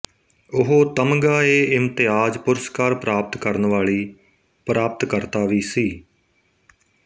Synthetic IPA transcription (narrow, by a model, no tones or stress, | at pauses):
ʊɦoːt̪əmɡaːeːɪmt̪ɪjaːd͡ʒpʊɾəskaːɾpɾaːpət̪kəɾnʋaːɭiː | pɾaːpət̪kəɾt̪aːʋiːsiː